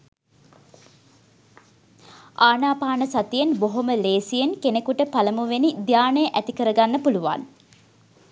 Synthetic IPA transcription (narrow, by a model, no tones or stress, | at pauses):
aːnaːpaːnəsat̪ijenboɦoməleːsijenkenekuʈəpaləmuʋenid̪jaːnəjəʔæt̪ikəɾəɡanːəpuluʋa̰n